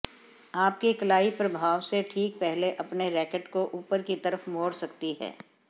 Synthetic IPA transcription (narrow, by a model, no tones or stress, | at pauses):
aːp̚kikɐlaːipɾɐbʱaːʋseʈʰiːk̚pɛɦleʔɐpneɾɛːkəʈkoʔuːpəɾkit̪ɐɾəfmoːɽsɐkt̪iɦɛ̰ː